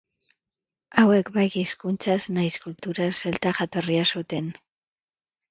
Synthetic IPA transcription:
awe̞kbajkiskunt͡saznajskult̪uɾaselt̪aʝat̪o̞riasut̪e̞n

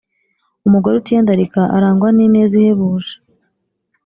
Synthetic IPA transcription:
umuɡoɾeutiaːndaɾikaʔaɾaːŋɡwanineːziheβuːʒḁ

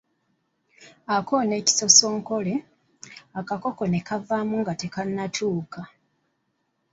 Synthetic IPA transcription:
ako̞ne̞ːci̥so̞so̞ːŋko̞le | akako̞ko̞ne̞kavamuŋɡate̞kanːatʰuːka

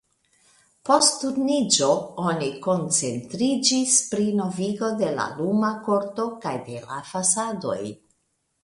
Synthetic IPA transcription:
po̞stːuɾnid͡ʒo̞oniko̞nt͡se̞ntɾid͡ʒispɾino̞viɡo̞de̞la̰lumako̞ɾto̞kajde̞la̰fasado̞̰j

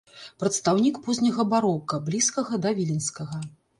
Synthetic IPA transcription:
pɾɐt̪st̪awnʲikpɔzʲnʲɐɣɐbaɾɔkɐblʲiskɐɣɐd̪ɐvʲilʲinskɐɣɐ

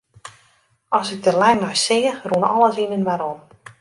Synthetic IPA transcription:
ɔsɪɡ̚dəlɛjnɔjsɪːərunɔlˠəsinənmaɾon

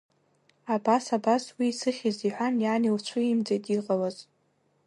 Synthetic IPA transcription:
abasabaswiːsɨχʲiziħʷᶣanjaːnilt͡ʃʷʰɨimd͡zejtʼiqʼalaz

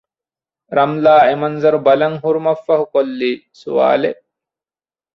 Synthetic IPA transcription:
ɾɐmlaːemɐnzɐɾubɐlɐŋɦuɾumɐfːɐɦukolːiːsṵʋa̰ːle

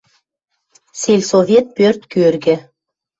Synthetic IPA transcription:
selʲsovʲet̪̚pørt̪kørɡɘ̆

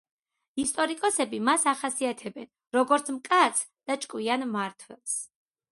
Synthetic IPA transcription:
ist̪ʼɔɾikʼɔsɛbimasaχasiat̪ʰɛbɛn | ɾɔɡɔɾt̪sʰmkʼat̪sʰ | d̪̥at͡ʃʼkʼwianmaɾt̪ʰwɛlˠs

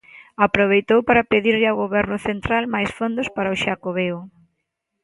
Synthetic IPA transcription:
apɾoβejt̪owpaɾapeðiɾʎɪawɣoβɛɾnʊθent̪ɾalmajsfond̪ʊspaɾaʊʃakoβeʊ

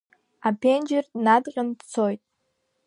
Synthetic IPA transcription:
apʰend͡ʒernadqʲʼəntt͡sʰojtʼ

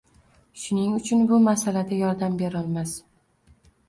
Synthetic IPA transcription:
ʃʊnɪŋʊt͡ʃʰʊnbʊmasalad̪ajɒɾd̪ambe̞ɾɒlˠmas

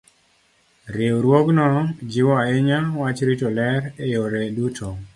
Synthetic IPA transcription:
ɾewɾwoknɔd͡ʒɪwɔaɪɲawat͡ʃɾitolɛɾejoɾɛdutʰɔ

